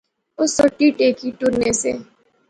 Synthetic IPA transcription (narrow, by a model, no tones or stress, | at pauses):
ʊsoʈːiʈeːkiʈʊɾnesḛː